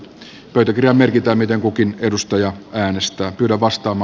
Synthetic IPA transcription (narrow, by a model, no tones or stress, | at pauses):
pøyt̪ækirjɑmmerkit̪æːmmit̪eŋkukinedust̪ɑjɑæːnest̪æːpyːɾæʋʋɑst̪ɑːmɑː